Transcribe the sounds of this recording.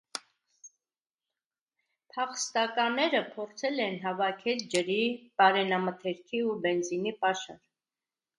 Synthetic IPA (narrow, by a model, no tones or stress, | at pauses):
pʰɑχəst̪ɑkɑnɛɾəpʰɔɾt͡sʰɛlɛnɦɑvɑkʰɛld͡ʒəɾipɑɾɛnɑmət̪ʰɛɾkʰiubɛnzinipɑʃɑ̰ɾ